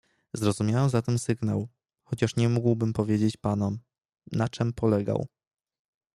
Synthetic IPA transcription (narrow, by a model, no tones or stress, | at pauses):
zɾɔzumʲjawɛmzat̪ɛmsɘɡna̰w | xɔt͡ɕaʂɲɛmuɡwbɘmpɔvʲjed͡ʑet͡ɕpanɔm | nat͡ʂɘmpɔlɛɡa̰w